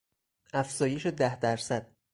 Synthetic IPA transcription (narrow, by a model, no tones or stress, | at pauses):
ʔæfz̥ɒːje̞ʃed̪æhd̪æɾsæd̪̥̚